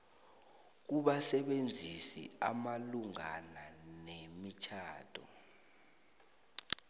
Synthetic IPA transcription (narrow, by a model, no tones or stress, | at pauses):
k̬uɓasɛɓend͡zʱisḭamaluŋananemit͡ʃʰaːtʰʼɔ̰